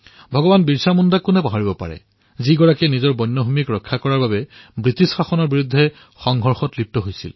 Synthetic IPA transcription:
bʱɔɡɔbanbiɹsamundakːunɛpaɦaɹibɔpa̰ɹɛ̰ | ziɡɔɹakɛnizɔɹbɔjnːɔɦumikɹɔkʰːakɔɹaɹbabɛbɹitisxaxɔnɔɹbiɹudʱːɛ | xɔŋɡʱɔɹxɔtlip̚tɔɦojsḭl

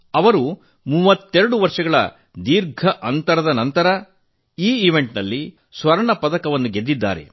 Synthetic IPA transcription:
ɐʋɐɾu | muʋɐt̪ːeɾɐɽuʋɐɾʂɐɡɐɭɐ̰ | d̪iːɾɡʱɐʔɐnt̪ɐɾɐd̪ɐnɐnt̪ɐɾɐ | iːiʋe̞ɳʈnɐlːi | sʋɐɾɐɳɐpɐd̪ɐkɐʋɐnːuɡe̞d̪ːid̪ːa̰ːɾe̞̰

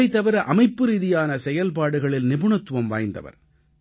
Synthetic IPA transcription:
ɪt̪ːɐʋɐɾɐʔɐmɐɪpːɯɾiːðɪjaːnɐsɛjɐlpaːɽɯɣɐɭɪlnɪbɯɳɐt̪ːɯʋɐmʋaːjnd̪ɐ̰ʋɐ̰ɾ

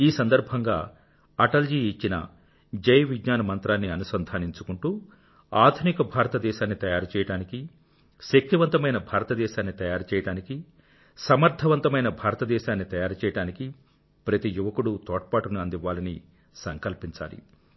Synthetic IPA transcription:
iːsɐnd̪ɐɾbʱɐŋɡaː | ɐʈɐld͡ʒiːt͡ʃːinɐ̰ | d͡ʒɐjɐʋid͡ʒɲaːnɐmɐnt̪ɾaːnːiɐnusɐnd̪ʱaːniɲt͡ʃukuɳʈuː | aːd̪ʱunikɐbʱaːɾɐt̪ɐd̪ɛːʃaːnːit̪ɐjaːɾut͡ʃɛːjɐɽaːniki | ʃɐk̚t̪iʋɐnt̪ɐmɐjnɐbʱaːɾɐt̪ɐd̪ɛːʃaːnːit̪ɐjaːɾut͡ʃɛːjɐɽaːniki | sɐmɐɾt̪ʰɐʋɐnt̪ɐmɐjnɐbʱaːɾɐt̪ɐd̪ɛːʃaːnːit̪ɐjaːɾut͡ʃɛːjɐɽaːniki | pɾɐt̪ijuʋɐkuɽut̪ɔːʈɐpaːʈunuɐnd̪iʋːaːlɐni | sɐŋkɐlpiɲt͡ʃa̰ːlḭ

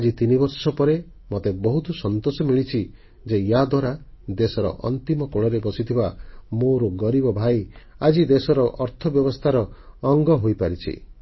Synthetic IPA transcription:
ad͡ʒit̪inibɔɾsɔpɔɾe | mot̪ebɔɦut̪ɔsɔnt̪osɔmiɭit͡ʃʰi | d͡ʒejad̪waɾad̪esɔɾɔ̰ʔɔ̰nt̪imɔkoɭ̃ɔɾebɔsit̪ʰibamoɾoɡɔɾibɔbʱaj | ad͡ʒid̪esɔɾɔʔɔɾt̪ʰɔbjɔbɔst̪ʰaɾɔːŋɡɔɦojpaɾit͡ʃʰḭ

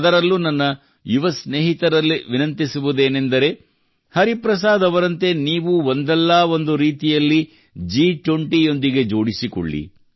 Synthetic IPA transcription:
ɐd̪ɐɾɐlːunɐnːɐ | juʋɐsneːɦit̪ɐɾɐlːiʋinɐnt̪isuʋud̪e̞ːne̞nd̪ɐɾe̞ | hɐɾipɾɐs̬aːd̪ɐʋɐɾɐnt̪e̞niːʋuond̪ɛlːaːo̞nd̪uɾiːt̪ijɐlːi | d͡ʒiːʈʋoɳʈijo̞nd̪iɡe̞d͡ʒo̞ːɽisiko̰ɭːḭ

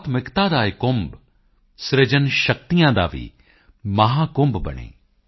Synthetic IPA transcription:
t̪ʰmɪkt̪aːd̪aːɪkʊmb | sɾed͡ʒənʃək̚t̪ijãːd̪a̰ːʋḭː | mɐɦãːkʊmbbɐ̰ɳ̃ḛː

